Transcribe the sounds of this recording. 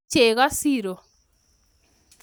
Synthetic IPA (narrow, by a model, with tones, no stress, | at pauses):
t͡ʃe˨ɣa˦si˦˨ɾo˨